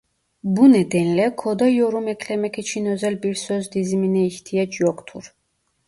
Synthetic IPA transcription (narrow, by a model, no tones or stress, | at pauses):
bunɛd̪ɛnlɛkʰɔd̪ajɔɾumɛkʰlɛmɛkʰɛt͡ʃʰinɔzɛlbiɾsɔzd̪iziminɛixt̪ʰiɛt͡ʃʼjɔkt̪ʰṵɾ